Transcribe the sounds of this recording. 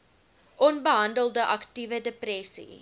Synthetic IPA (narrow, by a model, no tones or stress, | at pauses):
ʔɔnbəɦɐndəlˠdəʔɐktivədəprɛsḭ